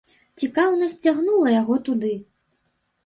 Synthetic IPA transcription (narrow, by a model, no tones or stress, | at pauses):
t͡sʲikawnɐsʲt͡sʲaɣnulˠɐjaɣɔt̪ud̪ɨ